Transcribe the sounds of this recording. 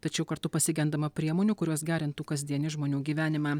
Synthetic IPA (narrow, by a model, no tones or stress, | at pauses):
t̪ɐt͡ʃʲɛʊkɐɾt̪ʊpɐsʲɪɡʲɛnd̪ɐmɐpʲɾʲiɛmoːnʲuːkʊɾʲuɔsɡʲæːɾʲɪnt̪uːkɐzʲd̪ʲiɛnʲɪʒmoːnʲuːɡʲiːʋʲæːnʲɪmɑː